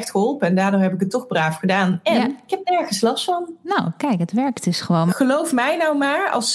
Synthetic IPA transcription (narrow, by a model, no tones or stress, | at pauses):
xtχəɦɔlˠpəɛndaːɹdʊːɹɦɛpɪk̬ətɔχbraːfχədaːnɛnɪkɦɛp̚nɛɹχəslɑstfɑnnowkɛjkɦətʋɛɹktɪsχəʋoːnχəlowfmɛjnɔwmaːɹɑ̰lˠs